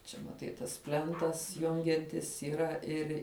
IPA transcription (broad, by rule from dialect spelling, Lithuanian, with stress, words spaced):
ˈt͡ʃʲɛ mɐˈtɐɪ tɐs ˈpʲlʲɛntɐs ˈjʊŋʲɡʲɛnʲtʲɪs iːˈrɐ ˈɪrʲ